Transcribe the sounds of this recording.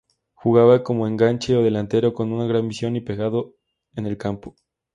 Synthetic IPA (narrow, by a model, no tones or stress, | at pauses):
xuɣaβako̞mo̞e̞ŋɡant͡ʃe̞oðe̞lant̪e̞ɾo̞ko̞nunaɣɾanmisjo̞nipe̞ɣaðo̞ | ene̞lkampo